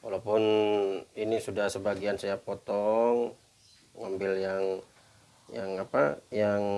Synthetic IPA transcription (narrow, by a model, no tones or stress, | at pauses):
walawpʊn | inisudahsəbaɡiansajapɔt̪ɔŋ | ŋambɪljaŋ | jaŋapajaŋ